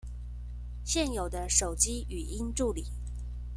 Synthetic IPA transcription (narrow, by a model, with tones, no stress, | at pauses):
ɕjɛ˥˩njo˨˩ʊd̪ə˦ʂo˨˩ʊt͡ɕi˥y˨˩i˥nʈ͡ʂu˥˩li˨˩˦